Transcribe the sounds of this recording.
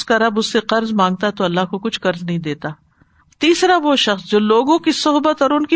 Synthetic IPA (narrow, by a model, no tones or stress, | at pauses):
skaɾɐbʊsːeqɐɾzmãːŋɡ̚t̪aɛt̪oɐlːaɦkokʊt͡ʃʰqɐɾznɐɦĩd̪eːt̪aː | t̪iːsɾaʋoʃɐxsd͡ʒoːloːɡõkisʊɦbət̪ɔːɾʊnki